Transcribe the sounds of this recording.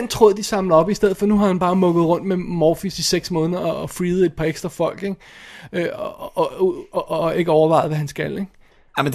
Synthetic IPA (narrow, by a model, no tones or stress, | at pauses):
ænt͡sʰʁo̝ːð̰ˠd̥isɑ̈mlɐɒ̽b̥isd̥eð̰̩ˠfɒ̽nuɦɑ̈hænb̥ɑ̈ːmɔ̽ɡ̥ð̞̩ˠʁɔ̽n̰d̥memɒːfisiseɡ̥smɔ̽ːnðˠɐɒːfʁiːð̞̩ˠe̝d̥̚pʰɑ̈eɡ̥sd̥ʁɐfɒ̽l̰ɡ̥eɡ̥ø | ʔːe̝ɡ̥əɒʊɐʋɑ̈ɪðˠʋæɦænsɡ̥æleɡ̥ | m